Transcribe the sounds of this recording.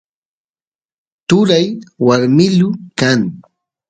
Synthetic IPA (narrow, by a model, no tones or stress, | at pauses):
t̪ʊɾajwaɾmɪʎʊkaŋ